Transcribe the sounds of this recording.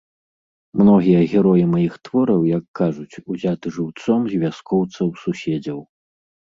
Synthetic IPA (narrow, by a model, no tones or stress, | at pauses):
mnɔɣʲijɐɣʲɛɾɔjimajixt̪vɔɾɐwjɐkːaʐut͡sʲuzʲat̪ɨʐɨwt̪sɔmzʲvʲaskɔwt̪sɐwsusʲɛd͡zʲɐw